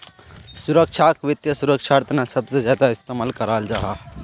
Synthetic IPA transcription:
sʊɾəkʃʰakʋɪt̪jəsʊɾəkʃʰaːɾt̪nasɐbsezjaːd̪aɪst̪emalkəɾaːld͡ʒaːɦaː

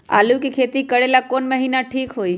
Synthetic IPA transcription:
a̰lũkekʰet̪ikəɽelakonməɦinaʈʰikɦoj

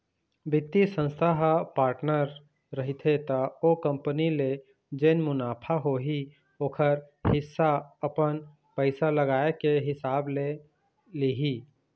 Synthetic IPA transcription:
bɪt̪ːisə̃nst̪ʰaɦpaːɾʈnəɾː | ɐɦit̪ʰet̪aoːkə̃mpənile | d͡ʒeːnmʊnaːpʰaɦoɦi | oːkʰəɾ | hɪsːaɐpən | pəɪsalɐɡaːekeɦɪsaːble | liɦiː

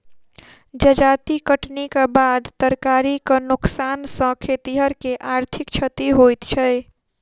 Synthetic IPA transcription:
d͡ʒəd͡ʒat̪ikəʈnikebad̪t̪əɾkaɾikənuksansə̃kʰet̪iɦəɾkeʔaɾt̪ʰikt͡ʃʰət̪iɦojt̪t͡ʃʰəj

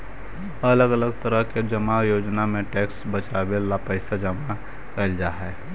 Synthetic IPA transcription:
ɐləɡələɡt̪əɾəɦked͡ʒəmajoːd͡ʒnamẽʈɛːksbɐt͡ʃaːbelapəɪsad͡ʒəma | kɐld͡ʒaːɦɛː

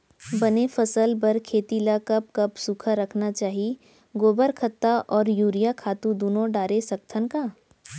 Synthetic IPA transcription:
bɐnefɐsəlbɐɾkʰeːt̪ilakɐp̚kɐpsukʰaɾɐkʰnat͡ʃaːɦi | ɡoːbəɾkʰət̪ːaʔɔːɾjuːɾijakʰaːt̪ũd̪uːnõɖaːɾesɐk̚t̪ʰənkaː

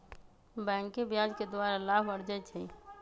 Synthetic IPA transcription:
bɛ̃ːŋkebjad͡ʒked̪waːɾalaːbəɾd͡ʒɛt͡ʃʰə

